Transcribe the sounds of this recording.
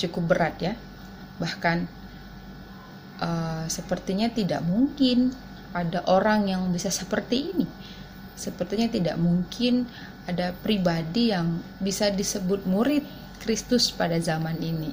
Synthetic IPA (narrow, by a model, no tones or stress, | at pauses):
t͡ʃukʊp̚bəɾʔat̪̚ja | bahkan | ʔəsəpərt̪iɲat̪ida̰ʔmuŋkɪn | ʔadaʔoɾaŋjaŋbisasəpərt̪iːni | səpərt̪iɲat̪ida̰ʔmuŋkʰɪn | adapɾibadijaŋbisadisəbʊt̪̚muɾɪt̪̚ | kɾist̪ʊspadazamanini